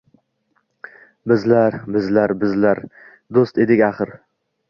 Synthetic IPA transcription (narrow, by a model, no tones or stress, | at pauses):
bɪzlaɾbɪzlaɾbɪzlaɾ | d̪ost̪e̞d̪ɪkʲaχɨɾ